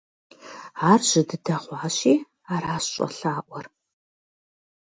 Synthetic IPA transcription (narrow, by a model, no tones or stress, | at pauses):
aːrʑ̥ɪdɨdɐʁʷɑːɕiː | aːɾaːsɕʼɐ̰ɬaːʔʷɔr